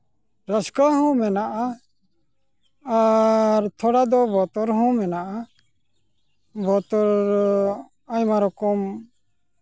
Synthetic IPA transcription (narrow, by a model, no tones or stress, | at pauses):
ɾəskaɦɔ̃mɛnaʔa | ɾt̪ʰɔɽad̪ɔbɔt̪ɔɾɦɔ̃mɛnaʔa | bɔt̪ɔɾ | ajmaɾɔkɔm